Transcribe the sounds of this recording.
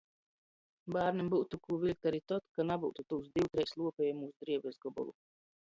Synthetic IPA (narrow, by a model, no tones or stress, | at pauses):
baːɾnimbuwt̪ukuːvilʲk̚t̪aɾit̪ɔt̪kanabuwt̪ut̪uwsd̪iwt̪ɾɛjslˠuɔpʲɛjmuːsd̪ɾiɛbʲɛzɡɔbɔ̰lˠṵ